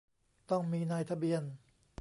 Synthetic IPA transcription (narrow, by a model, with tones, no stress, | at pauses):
t̪ɔ˥˩ŋmiː˧naː˧jt̪ʰa˧bi˧ən